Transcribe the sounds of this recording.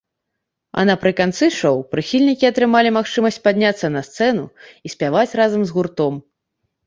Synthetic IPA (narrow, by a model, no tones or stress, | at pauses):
ɐ̰nɐpɾɨkant̪sɨʂɔwpɾɨxʲilʲnʲikʲiɐt̪ɾɨmalʲimaxt͡ʂɨmɐsʲt͡sʲpad̪ʲnʲat̪sːɐnɐst̪sɛnṵisʲpʲavat͡sʲrazɐmzɣurt̪ɔm